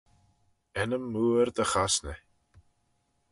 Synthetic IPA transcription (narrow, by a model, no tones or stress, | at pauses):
ɛnəmːuːəɾd̪əxasnɛ